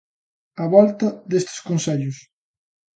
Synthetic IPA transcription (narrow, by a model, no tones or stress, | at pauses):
ɐβɔlt̪ɐðest̪ɪ̥skonseʎʊs